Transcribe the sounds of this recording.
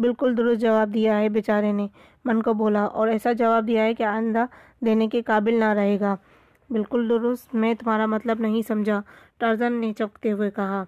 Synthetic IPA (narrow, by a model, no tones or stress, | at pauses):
bɪlkʊld̪ʊɾʊst̪̚d͡ʒɐʋaːb̚d̪ijaɦɛbɪt͡ʃaːɾẽne | mɐnkoboːlaʔɔ̰ːɾɛːsad͡ʒɐʋaːb̚d̪ijaɦɛkiaːə̃nd̪a | d̪eːnekekaːbɪlnaɾɐɦeːɡaː | bɪlkʊld̪ʊɾʊst̪mɛ̃t̪ʊmɦaːɾamɐt̪ləbnɐɦĩsɐmd͡ʒʱaʈaɾzənːet͡ʃɔːkt̪eɦʊekɐɦaː